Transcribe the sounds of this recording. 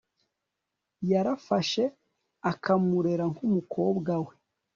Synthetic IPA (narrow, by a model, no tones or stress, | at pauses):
jaɾafaʃe̞ | akamuɾe̞ɾaŋhumukʰo̞bɡawe